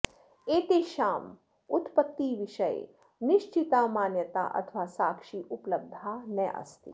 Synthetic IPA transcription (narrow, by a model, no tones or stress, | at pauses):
eːt̪eʃaːm | ut̪pət̪ːiʋɪʃəjḛ | nɪʃt͡ʃit̪amaːnjət̪a̰ʔɐ̰t̪ʰʋaːsaːkʃiʔupləb̚d̪ʱaːnɛʔɐ̰st̪ḭ